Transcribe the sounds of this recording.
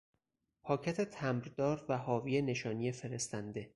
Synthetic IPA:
pʰɒːcʰæt̪ʰet̪ʰæmɾd̪ɒːɾvæhɒːviːjene̞ʃɒːnije̞fe̞ɾe̞st̪ænd̪e̞

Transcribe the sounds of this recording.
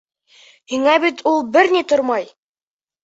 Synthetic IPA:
hiŋæbit̪ulˠbɘɾnit̪oɾmɑj

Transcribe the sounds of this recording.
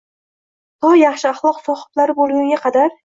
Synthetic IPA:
hɒjɑχʃɪɑχlˠɒqsɒχɪ̥t̪laɾɪbolˠɡʲaŋɡʲaqʰɑd̪aɾ

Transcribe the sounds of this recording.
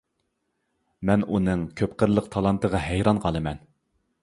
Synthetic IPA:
mɛnunɨŋkʲʰøpqəɾlˠəqt̪ʰɑlˠɑnt̪ʰəʁɑɦæjɾɑnqʰɑlˠɨmɛn

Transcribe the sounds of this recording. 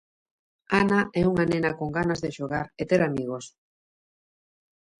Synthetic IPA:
anaʔɛuŋanẽnakoŋɡanazðeʃoɣaɾet̪eɾamiɣ̞os

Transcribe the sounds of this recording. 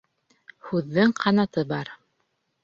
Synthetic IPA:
hʉðːɘŋqʰɑnɑt̪ɤbɑɾ

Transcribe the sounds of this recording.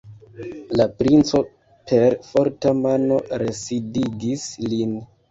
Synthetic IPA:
lapɾint͡so̞ | pʰe̞ɾfo̞ɾtamano̞ɾe̞sidiɡislin

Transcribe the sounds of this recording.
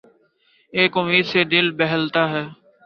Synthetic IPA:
eːkɦʊmiːd̪seːd̪ɪlbɛɦəlt̪aːɦɛː

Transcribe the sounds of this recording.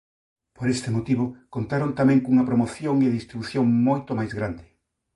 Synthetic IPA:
poɾest̪ɪmot̪iβokont̪aɾont̪amɛ̃ŋkuŋɐpɾomoθjoŋeðist̪ɾiβuθjoŋmojt̪omajzɣɾand̪ɪ

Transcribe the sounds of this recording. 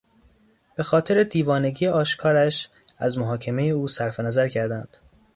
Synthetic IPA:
b̥e̞xɒːt̪ʰe̞ɾe̞d̪iːvɒːne̞ɟijeʔɒːʃkʰɒːɾæʃ | æzmoɦɒːcʰe̞me̞je̞uːsæɾfe̞næzæɾcʰæɾd̪ænd̪̥

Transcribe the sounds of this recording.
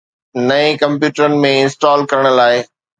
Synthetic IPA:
nɐẽkɐ̃mpjuːʈəɾənɪ̆mẽɪ̃nsʈɔːlkɐɾəɽ̃ə̆laːɪ

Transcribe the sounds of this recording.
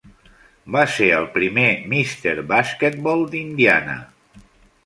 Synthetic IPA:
baseəlˠpɾimemist̪eɾβasket̪̚bɔlˠd̪ind̪ianə̰

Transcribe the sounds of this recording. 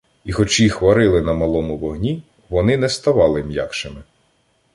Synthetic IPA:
ixɔt͡ʃixʋɐɾɪlˠɪnɐmɐlˠɔmʊʋɔɦnʲi | ʋɔnɪnɛst̪ɐʋɑlˠɪmʲja̰kʃɪmɪ

